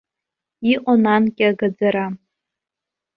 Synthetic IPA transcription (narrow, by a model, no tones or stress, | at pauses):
iqʷʼanankʲʼɪaɡad͡zaɾa